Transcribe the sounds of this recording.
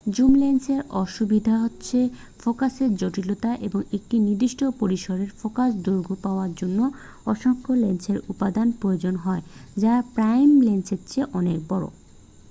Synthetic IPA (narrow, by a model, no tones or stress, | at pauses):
d͡ʑumlenseɾɔʃubid̪ʱaɦotːɕʰe | fokaseɾd͡ʑoʈilot̪aʔeboŋek̚ʈiniɾd̪iʃʈʰopoɾiʃoɾeɾfokasd̪uɾɡʱupaoaɾd͡ʑonːo | ɔʃoŋkʰolenseɾupad̪anpɾood͡ʑonɦɔed͡ʑapɾajmlensetːt͡ɕʰeʔɔnek̚bɔɾo̰